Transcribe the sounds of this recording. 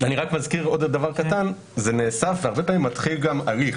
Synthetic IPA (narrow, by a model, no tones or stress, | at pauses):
aniʁakmazkiʁo̞d̪davaʁkat̪an | zene̞ːsafveaʁbepaːmimːat̪χilɡamaliχ